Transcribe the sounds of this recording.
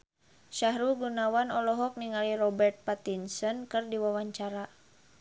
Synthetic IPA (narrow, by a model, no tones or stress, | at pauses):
ʃaɦɾuɡunawanɔlɔɦɔk̚niŋalirɔbɛrt̪̚pat̪insɔnkɨrdiwawaɲt͡ʃaɾa